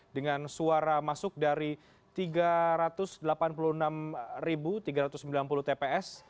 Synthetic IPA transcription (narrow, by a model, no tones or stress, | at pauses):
dəŋansuaɾamasʊk̚daɾi | t̪iɡaɾat̪ʊsdəlapanpuluənamribut̪iɡaɾat̪ʊsəmbilanpulʊht̪epeɛs